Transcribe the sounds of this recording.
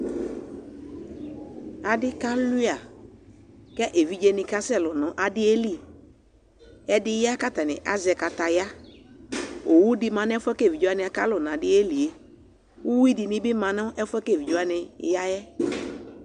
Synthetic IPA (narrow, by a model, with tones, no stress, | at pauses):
a˨dɪ˦ka˦lu˦a˨ | kɛ˦ʔe˨vi˦d͡ʒe˦nɪ̃˨ka˦sɛ˦˨lʊ˨nʊ̃˨ʔa˨dɪ˦e˦li˦ | ɛ˦dɪ˦ja˦ka˦t̪a˨nɪ̰˨ʔa̰˨zɛ˨ka˨t̪a˨ja˦ | o˨wu˦dɪ˦mã˨n˦fʊ˦ɛ˦ke˦˨vi˨d͡ʒo˦a˦nɪ˨˦a˨ka˦lʊ˨nã˨dɪ˦e˦li˨e˦ | wu˦wi˦dɪ˨nɪ̃˦bɪ˦mã˨nʊ̃˦ʔɛ˦fɛ˦ke˦˨vi˨d͡ʒo˦a˦nɪ˨˦ja˦jɛ˦